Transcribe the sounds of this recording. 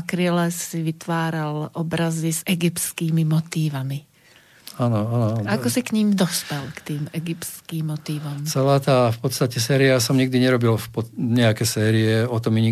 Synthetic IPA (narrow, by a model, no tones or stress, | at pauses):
kɾɪɛlɛsːiʋit̪ʋaːɾalʔɔbɾazizɛɡipt͡skiːmimɔt̪iːʋami | anɔanɔanakɔsikɲimd̪ɔspɛlkt̪iːmɛɡipt͡skiːmːɔt̪iːʋɔmt͡sɛlaːt̪aːfpɔt̪st̪acɛsɛːɾiasɔmɲiɡ̚d̪iɲɛɾɔbilfpɔɲɛakɛːsɛːɾiɛɔt̪ɔmiɲi